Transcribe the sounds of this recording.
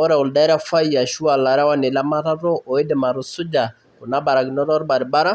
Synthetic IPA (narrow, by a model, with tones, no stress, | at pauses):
ɔ˦ɾɛ˨ɔ˨lda˦ɾa˦fa˦jja˨ʃu˦a˨la˨ɾa˦wa˦ne˨la˦ma˦ɾa˦ɾɔ˦ʔɔ˨e˦dema˨ɾʊ˨sʊ˦d͡ʒa˨ | ʊ˨na˦ba˨ɾa˨ɡɪ˨nɔ˦ɾɔ˦ɾba˨ɾɪ˨ba˦ɾa˦